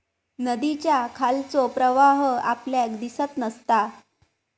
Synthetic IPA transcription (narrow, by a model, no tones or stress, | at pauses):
nəd̪it͡ɕjakʰalt͡sɔpɾəʋaɦəapljakd̪isət̪nəst̪a